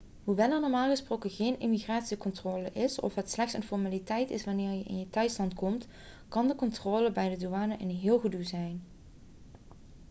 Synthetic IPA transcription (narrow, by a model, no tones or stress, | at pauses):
ɦuʋɛlˠɑnɔːɹmaːlˠɣəsprowkəɣejnɪmiɣraːtsikɔntroːləʔɪsɔ̰fɦətslɛxtsənfɔɹmaːlitɛjtɪ̰sʋɑnɪːɹjəʔɪ̰njətœɥtslɑntkɔmt | kɑndəkɔntroːləbɛjdəduaːnəʔɪnɦɪːlˠɣəduzɛjn